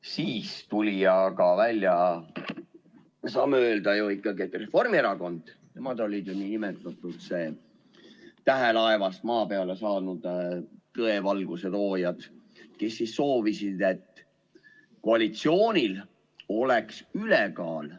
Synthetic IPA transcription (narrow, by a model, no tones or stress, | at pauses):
siːst̪ulʲiɑɡɑvælʲːjɑ | sɑːmːeøːld̪ɑjuikːɑɡiet̪ːre̞fo̞rmieɾɑko̞nd̪̥t̪e̞mɑd̪o̞lʲid̪̥juninimet̪ːˑɑt̪ːˑud̪̥se̞ː | t̪æɦelɑevɑst̪̚mɑːpe̞ɑle̞sɑːnud̪̥t̪ɤe̞vɑlɡ̥use̞lo̞ːjɑd̪̥ke̞sːisːo̞ːvisid̪̥e̞t̪ː | koɑlʲit̪sio̞ːnʲil | o̞leksylekɑːl